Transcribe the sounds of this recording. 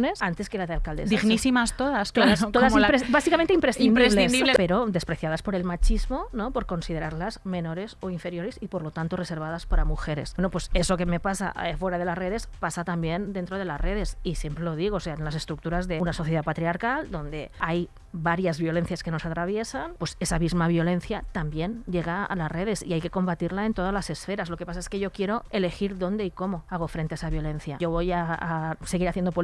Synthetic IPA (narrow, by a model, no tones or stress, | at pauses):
nesant̪e̞skelaðalkald̪esd̪iɣnisimast̪oðast̪oðast̪oðasiɾesbasikamẽnt̪eimpɾesθiinmd̪ɾiesleinsnd̪iβlepeɾo̞d̪e̞spɾeθjað̞aspo̞ɾe̞lmat͡ʃizmo̞nopoɾko̞nsiðe̞ɾaɾlazme̞no̞ɾe̞soiɱfe̞ɾjo̞ɾesipoɾlo̞t̪ant̪orese̞ɾβ̞aðaspaɾamuxeɾe̞̰swenopwe̞sesokeme̞pasa̰efweɾaðe̞lasreðe̞spasat̪ambjend̪ent̪ɾoð̞e̞lasreðe̞sisje̞mpɾelo̞ð̞iɣoːseaenlase̞st̪ɾuk̚t̪uɾazðe̞unaso̞θjeðapat̪ɾiaɾkald̪o̞nd̪e̞aj | βaɾjazβjo̞le̞n̟θjaskeno̞sat̪ɾaβ̞je̞sanpwe̞sesamizmaβ̞jo̞le̞n̟θjat̪ambje̞nɟ͡ʝeɣ̞aa̰lasre̞ðe̞sḭajke̞ko̞mbat̪iɾlaent̪o̞ð̞azlase̞sfe̞ɾazlo̞kepasaeske̞ʝo̞kje̞ɾo̞ele̞xiɾðo̞nd̪eiko̞moaɣ̞ofɾe̞nt̪eesaβjo̞len̟θjaoβojaːse̞ɣiɾaθjend̪opo